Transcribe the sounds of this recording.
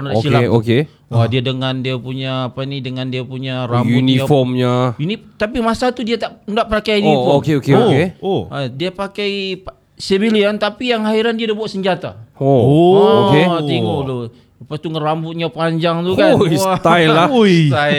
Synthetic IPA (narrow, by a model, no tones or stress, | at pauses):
nada̰t̪illaoke | wadiadəŋandiapuɲaːpanidəŋandiapuɲarambuniafɔmɲainit̪apimasat̪udiat̪aʔndaʔpɾakanifɔokeokeoeodiapakaip | sebiliant̪apijaŋaɦiɾandiadibuaʔsəɲd͡ʒat̪a̰oookeiŋudo | apat̪uŋəɾambʊt̪̚ɲapaɲd͡ʒaŋt̪usat̪ailat̪a